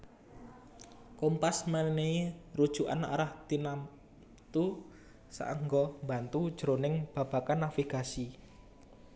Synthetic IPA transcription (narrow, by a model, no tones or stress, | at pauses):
kɔmpasmaneiɾud̥ʒ̥uʔa̰na̰ɾahd̪̥inam | t̪u | sa̰ʔəŋɡɔmbant̪ud̥ʒ̥əɾonɪŋb̥a̤b̥a̤kanːafiɡ̥asi